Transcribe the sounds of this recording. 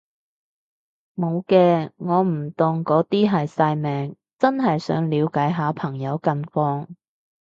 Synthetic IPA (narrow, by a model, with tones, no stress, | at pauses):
mo˨˧wkɛː˧ŋɔː˨˧m̩˨˩t̪ʊ˨˩ŋkɔː˨˥t̪iː˥ɦɐ˨jsaː˧jmɛː˨˧ŋ | t͡sɐ˥nɦɐ˨jsœ̰ː˨˥ŋliː˨˧wkaː˨˥jɦaː˨˥pʰɐ˨˩ŋjɐ˨˧wkɐ˧nfɔː˧ŋ